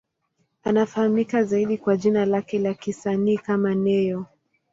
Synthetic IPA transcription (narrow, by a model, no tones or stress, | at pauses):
anafahamikazaiɗikwaʄinalakɛlakisaniːkamanɛjɔ